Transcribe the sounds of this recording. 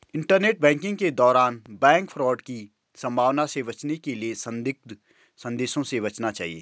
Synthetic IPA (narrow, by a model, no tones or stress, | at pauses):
ɪ̃ɳʈəɾneːʈ̚bɛ̃ːŋkɪ̃ŋɡked̪ɔːɾaːnbɛ̃ːŋkfʰɾɔːɖki | sɐ̃mbʱaːʋnasebɐt͡ʃnekeliesɐ̃nd̪ɪk̚t̪ | sɐ̃nd̪eːʃõsebɐt͡ʃnat͡ʃa̰ːɦḭḛː